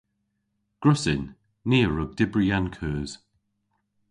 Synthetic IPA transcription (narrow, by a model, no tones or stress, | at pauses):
ɡ̥ɹʊsɪnː | iːɹʊɡ̚dɪbɹiankʰøːz̥